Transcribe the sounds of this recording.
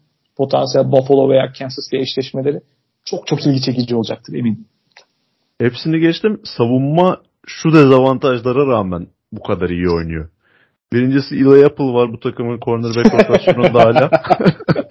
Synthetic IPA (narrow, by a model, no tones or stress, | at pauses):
pʰo̞t̪ʰansijælʲbafalˠoveja̰ːcʰænsɯst̪jaiʃlʲɛʃme̞lʲe̞ɾɪ | t͡ʃʰok̚t͡ʃʰo̞kilʲɟit͡ʃʰe̞cid͡ʒio̞lˠd͡ʒak̚t̪ʰɯɾe̞̰miːn | hepsinɛɟɛt͡ʃt̪ʰimsavumːa | ʃud̪ɛzavant̪ʰaʒlˠaɾaɾaːmæn | bukʰad̪aɾijio̞jnujo | biɾind͡ʒisiilˠajapʰɯlˠvaɾbut̪ʰakɯmɯnkʰo̞ɾnɯɾbɛalasoɾund̪aːlʲaː